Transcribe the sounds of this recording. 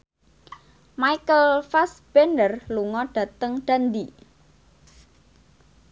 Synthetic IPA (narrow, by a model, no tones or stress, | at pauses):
majkəlfasb̥enərluŋɔɖ̥ä̤t̪əŋɖ̥a̤nd̪i